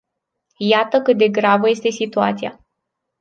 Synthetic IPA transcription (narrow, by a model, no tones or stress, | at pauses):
jat̪əkɨt̪̚d̪e̞ɡɾavəje̞st̪e̞sit̪ua̰t̪sija̰